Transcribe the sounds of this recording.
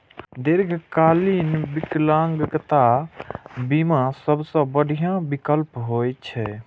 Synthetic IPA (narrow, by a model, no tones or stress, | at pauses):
d̪iɾɡʱkalinbiklãŋɡɡt̪a | bimasəbsə̃bəɽʱijãbikəlpɦojt͡ʃʰɛ